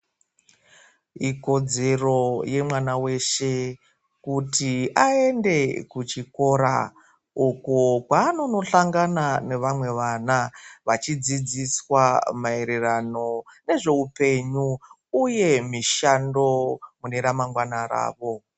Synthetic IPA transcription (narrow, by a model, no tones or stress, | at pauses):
iko̞d͡ze̞ro̞je̞mwanawe̞ʃe̞ | kutiae̞nde̞kut͡ʃiko̞ɾa̰ | ukokwaːno̞no̞ɬaŋɡanane̞ʋamwe̞ʋanaʋat͡ʃid͡zid͡ziswamae̞ɾerano̞ne̞ʐe̞upe̞ɲu | uje̞miʃando̞mune̞ɾamaŋɡwanaɾa̰ːʋo̞